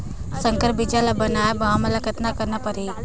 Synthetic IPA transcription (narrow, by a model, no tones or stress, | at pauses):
səŋkəɾbid͡ʒalabənaːjbaːməlɐkʰət̪nakəɾnapɐɾiː